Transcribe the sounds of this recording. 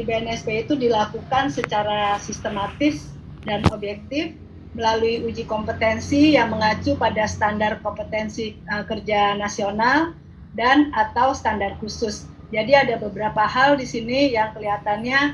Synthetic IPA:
dibeɛnɛsbeit̪udilakukansət͡ʃaɾasist̪əmat̪ɪs | danobjɛk̚t̪ɪf | məlaluiud͡ʒikɔmpət̪ɛnsijaŋməŋat͡ʃupadasə̥t̪andar̚kɔmpət̪ɛnsiəkərd͡ʒanasional | danat̪awst̪andar̚husʊs | d͡ʒadiadabəbəɾapahaldisinijaŋkəliɦat̪anɲa

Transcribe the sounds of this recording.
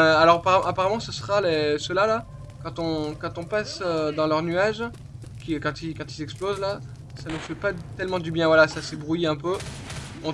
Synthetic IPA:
alɔʁapaapaʁamɑ̃səsəʁalesəlala | kɑ̃t̪ɔ̃kɑ̃t̪ɔ̃pasød̪ɑ̃lœʁnyaʒ | kʲikɑ̃t̪ikɑ̃t̪izɛksplozla | sanufɛpat̪ɛlmɑ̃d̪ybjɛ̃vwalasasebʁujiɛ̃pø | ɔ̃

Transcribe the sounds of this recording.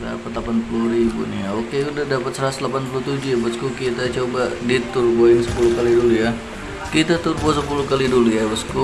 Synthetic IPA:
da̰pat̪lapanpuluhɾibṵnḭaokeudahdapat̪səɾaslapanpulut̪ud͡ʒujabəskukit̪at͡ʃobadit̪urboɪnsə̥pulukaliduluja | kit̪at̪urbuasəpulukalidulujabəsku

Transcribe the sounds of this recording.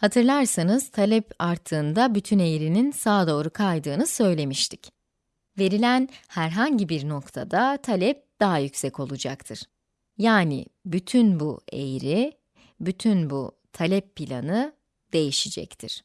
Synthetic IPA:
hat̪ʰɯɾlˠaɾsanɯz̥t̪ʰalʲɛpaɾt̪ʰːɯːnd̪abyt̪ʰyne̞jɾininsaːd̪o̞ːɾukʰajd̪ɯːnɯsø̞jlʲe̞miʃt̪ʰi̥c | ve̞ɾilʲænhæɾɦaɲɟibiɾno̞kt̪ʰa̰d̪at̪ʰalʲɛp̚d̪̥aɦajycsɛco̞lˠud͡ʒakt̪ʰɯɾ̥ | jaːnḭbyt̪ʰynbuḛjɾi | byt̪ʰynbu | t̪ʰalʲɛpːilʲa̰nɯ | d̪̥e̞jiʃid͡ʒɛ̰ct̪ʰiɾ̥

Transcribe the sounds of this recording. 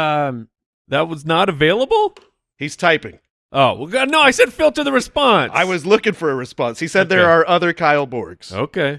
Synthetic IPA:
ʌ̃m | ðɨt̚wʌznəɾɨveɪlˠəbl̩ˠ | hiz̥tʰaɪpɪ̰̃ŋ | ʔoʊɡʌnoʊaɪsɛd̥fɪlˠtɨðɨɹɨspɑ̃nsa̰ɪwʌzlʊkɪ̃ŋfə˞ɨɹɨspɑ̃nshisɛd̪̚ðə˞ːʔʌðə˞kʰaɪl̩ˠbɔ̰ɹɡz̥o̰ʊkʰeɪ

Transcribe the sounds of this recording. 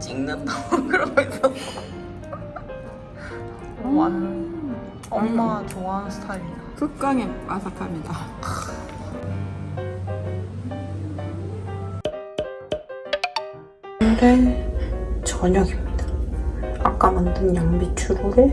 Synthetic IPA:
t͡ɕ͈iŋnɯndakɯɾʌesʌ | a | ʌmmat͡ɕoaɦansʰɯ̥tʰai | kɯk̚k͈aŋemasʰakʰamɲida | nde | t͡ɕʌɲʌɡimɲida | ak͈amandɯnjaŋbit͡ɕʰuɾuɾo

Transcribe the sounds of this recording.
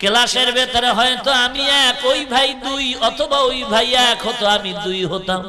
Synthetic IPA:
kelaʃeɾbet̪aɾeɦɔjt̪oamiɛkojbʱajd̪ujɔt̪ʰobaojbʱajɛkɦot̪oamid̪ujɦot̪a

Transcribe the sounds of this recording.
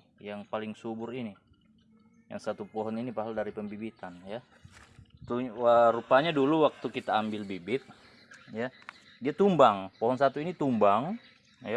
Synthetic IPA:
jaŋpalɪŋsubʊɾini | ja̰ŋsat̪upɔɦɔninipaɦaldaɾipəmbibit̪anja | t̪uəɾupaɲaduluwak̚t̪ukit̪aːmbɪlbibɪt̪̚ | ja | diat̪umbaŋpɔɦɔnsat̪uinit̪umbaŋ | ja

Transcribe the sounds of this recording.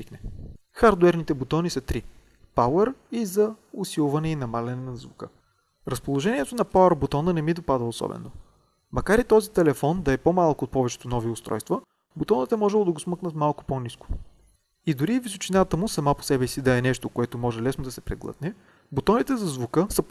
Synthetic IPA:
iknɛ | xaɾd̪ʊɛɾnit̪ɛbot̪ɔnisɐt̪ɾi | paʊəɾizɐʊsilˠvɐnɛinɐmalʲɛnɛnɐzvukɤ̰ | ɾɐspolˠoʒɛniɛt̪onɐpaəɾbot̪ɔnənɛmid̪opad̪əosɔ̰bɛ̰no̰ | mɐkaɾit̪ɔzit̪ɛlɛfɔnd̪ɐɛpomalˠkoot̪̚pɔvɛt͡ʃɛ̥t̪onɔviʊst̪ɾɔ̰jst̪və | bot̪ɔnət̪ɛmɔʒɛlˠod̪ɐɡʊsmɤknət̪malˠkʊ̥poniskʊ̥ | id̪uɾivisot͡ʃinat̪əmʊsɐmapo̥sɛbɛsid̪ɐɛnɛʃt̪okoɛt̪omɔʒɛlɛsnod̪ɐsɛpɾɛ̰ɡlˠɤ̰t̪nɛ | bot̪ɔnit̪ɛzɐzvukɤsə

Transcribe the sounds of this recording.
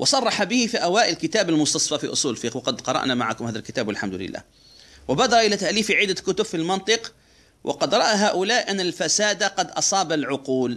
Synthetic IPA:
wʔɑsˤɑrˤːɑħabɪhifiʔawaːʔɪlkɪt̪aːbalmʊst̪ɑsˤfɑfiʔʊsˤuːlfiːqwɑqɑd̪qɑɾˤɑ̰ʔnamaʕa̰kʊmhaːðalkɪt̪aːbwalħamd̪ʊlɪ̰lːa̰ːh | wɪbaːd̪ɑɾˤɑʔɪlat̪aʔliːfiʕɪd̪ːakʊt̪ʊbfilmɑnt̪ˤɨq | wʔɑ̰qɑd̪ɾˤɑʔaɦaːʔʊlaːʔʔanːalfasaːd̪aqɑd̪ʔɑsˤɑːbalʕʊquːl

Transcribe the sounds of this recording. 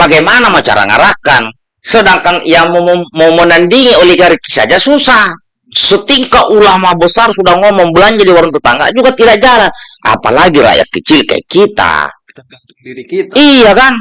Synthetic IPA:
paɡɛjmanamat͡ʃa̰ɾa̰ŋa̰ɾakan | sɔdaŋkaŋijamɔmɔmɔnandiŋiɔliɡaɾiki̥sa̰d͡ʒasusa | sɔt̪iŋkaʔulahmabɔsarsudaŋɔmɔmbulaɲd͡ʒadiwaɾunt̪ut̪aŋɡa̰ʔd͡ʒuɡat̪idaʔd͡ʒalana̰pa̰laɡiɾa̰ja̰kːit͡ʃilka̰ḭkit̪a̰ | ijakaŋ

